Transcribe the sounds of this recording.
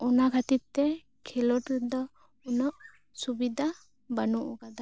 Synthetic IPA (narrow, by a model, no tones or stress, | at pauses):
ɔnakʰat̪it̪ɛ | kʰɛlɔʈd̪ɔ | ɔnɔʔ | subid̪ʱa | banuʔɔkad̪a